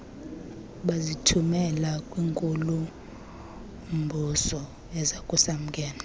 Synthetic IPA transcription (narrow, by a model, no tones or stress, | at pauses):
ɓazitʰumɛlakʼwiːŋkʼulu | mbʱusɔ | ɛzakʼusam̩kʼɛːna